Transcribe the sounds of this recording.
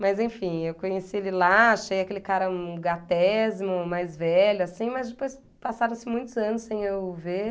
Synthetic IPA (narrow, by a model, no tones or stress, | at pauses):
mɐzẽj̃fĩewkõɲesielɪlaʃejakelɪkaɾɐ̃ɡat̪ɛzmʊmajzvɛʎʊasĩmɐzd͡ʒɪpojs | pasaɾɐ̃sɪmũj̃t̪ʊzɐ̃nʊsːẽj̃ewve